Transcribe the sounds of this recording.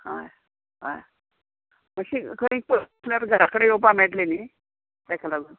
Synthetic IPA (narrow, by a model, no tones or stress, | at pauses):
ha̰j | ɦa̰j | məɕikʰəɽĩk̚pə | laɾɡʱəɾakəɽejop̬amɛʈleni | t̪akʰalaɡʱun